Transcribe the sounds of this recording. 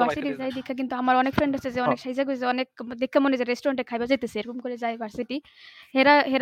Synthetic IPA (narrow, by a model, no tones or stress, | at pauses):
bʱaɾsiʈizajd̪ekʰːak̬int̪uamaɹɔnek̚pʰɾeɳʈasezɛɔneksaɦizakɡozeɔnek̚d̪ekʰːamɔnezɛɾesʈɔɾɔɳʈɛkʰːajbazajt̪eseɾkumkɔɾɛzajbʱaɹsiʈi | hɛɾaɦɛɾ